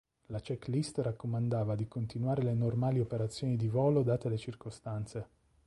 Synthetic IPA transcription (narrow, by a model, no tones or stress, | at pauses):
lat͡ʃɛklist̪rakːomand̪aːvad̪ikont̪inwaːɾelenormaːliopeɾat̪sːjoːnid̪ivɔːlod̪aːt̪ealet͡ʃirkost̪ant̪se